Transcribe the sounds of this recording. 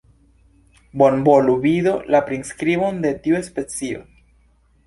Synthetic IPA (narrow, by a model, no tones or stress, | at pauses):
bonboluβiðolapɾinskɾiβond̪et̪iuespet͡sio̰